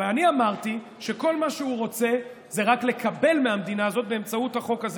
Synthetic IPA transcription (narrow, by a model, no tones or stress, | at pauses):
eaniamaʁt̪i | ʃe̞ko̞lmaʃeuʁo̞t͡se̞ | ze̞ʁakle̞kabe̞lmeɦamd̪inaːzo̞t̪̚be̞ːmt͡sauthaχo̞kaz